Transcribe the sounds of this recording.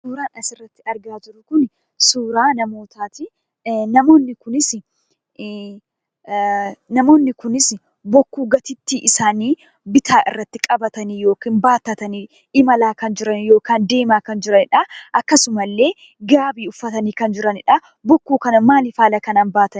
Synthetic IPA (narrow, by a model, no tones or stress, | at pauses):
suːɾaːnɐsɪrːɐt̪ːɪɐɾɡaːd͡ʒɪɾʊkʊn | suːɾaːnɐmo̞ːt̪aːt̪ɪ | nɐmo̞ːnːɪkʊnɪs | nɐmo̞ːnːɪkʊnɪs | bɔkːuːɡɐt̪ɪt̪ːiːʔɪsaːniː | bɪt̪aːʔɪ̰rːɐt̪ːɪkʼɐbɐt̪ɐniːjo̞ːkiːnbaːt̪ɐt̪ɐniː | ɪmɐlaːkɐnd͡ʒɪɾɐnjo̞ːkaːnd̪e̞ːmaːkɐnd͡ʒɪɾɐnɪᶑɐʔɐkːɐsʊmɐlːe̞ː | ɡaːbiːʊfːɐt̪ɐniːkɐnd͡ʒɪɾɐnɪᶑɐ | bɔkːuːkɐnɐmaːlɪfaːlɐkɐnaːnbaːt̪ɐn